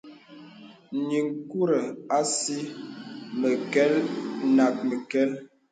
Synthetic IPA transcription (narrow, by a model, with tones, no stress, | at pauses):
ɲi˨ŋku˦ɾə˨a˦si˦ | mə˨kɛ˦lna˨k̚mə˨kɛ˦l